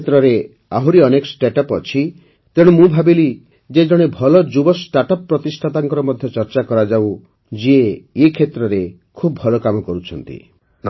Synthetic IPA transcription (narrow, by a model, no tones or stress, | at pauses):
t̪ɾɔɾe | aɦuɾiɔnekɔ̥sʈeʈɔpɔt͡ʃʰi | t̪eɽ̃umũbʱabili | d͡ʒed͡ʒɔɽ̃ebʱɔlɔd͡ʒubɔsʈaʈɔpːɾɔt̪isʈʰat̪aŋkɔɾɔmɔd̪ʱjɔt͡ʃɔɾt͡ʃakɔɾad͡ʒaw | d͡ʒieekʰet̪ɾɔɾe | kʰubʱɔlɔkamɔkɔɾut͡ʃʰɔnt̪ḭ